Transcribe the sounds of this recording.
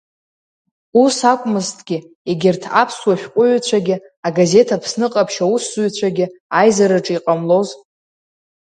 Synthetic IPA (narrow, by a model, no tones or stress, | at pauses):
usakʷʼmɨztʰʼɡ̥ʲɪ | eɡʲɪrtʰapʰswaʃʲᶣqʷʼʊɥt͡ɕʷʰaɡʲɪ | aɡaze̞tʰapʰsnɨqʼapʰʃauszuɥt͡ɕʷʰaɡʲɪajzaɾɨʈ͡ʂʼiqʼamlo̞z